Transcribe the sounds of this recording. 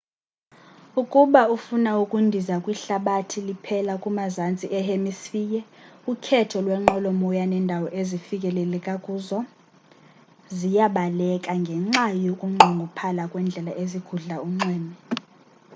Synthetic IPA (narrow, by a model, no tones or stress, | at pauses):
ukʼuɓaufunaukʼundʱizakʼwiɬaɓatʰilipʰɛlakʼumazant͡sʼiʔɛhemisfiːjɛ | ukʰɛtʰɔlwɛŋ͡ǃɔlɔmɔjanɛndʱawɔʔezifikʼɛlɛlɛkʼakʼuːzɔ | zijaɓalɛkʼaŋɡʱɛŋ͡ǁajokʼuŋ͡ǃʱuŋɡʱupʰalakʼwɛnd͡ɮʱɛlaʔeziɡ̥ʱuɮauŋ͡ǀwɛːmɛ